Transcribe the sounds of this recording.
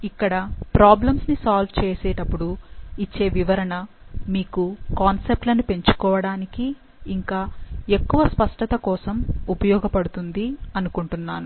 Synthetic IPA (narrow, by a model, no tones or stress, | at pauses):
ikːɐɽɐpɾaːblɐmsnisaːlʋt͡ʃeːseːʈɐpːuɽuit͡ʃːe̞ːʋiʋɐɾɐɳɐ | miːkukaːnsep̚ʈlɐnupe̞ɲt͡ʃu̥kɔːʋɐɽaːnikiː | ŋkaːe̞kːuʋɐspɐʂʈɐt̪ɐkɔːsɐmupɐjɔːɡɐpɐɽut̪und̪iɐnukuɳʈunːaːnu